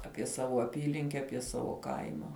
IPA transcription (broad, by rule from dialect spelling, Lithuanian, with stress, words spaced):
ˈɑːpʲiɛ ˈsɑːʋoː ɐˈpʲiːlʲɪŋʲkʲɛ ˈɑːpʲiɛ ˈsɑːʋoː ˈkɐɪmɐ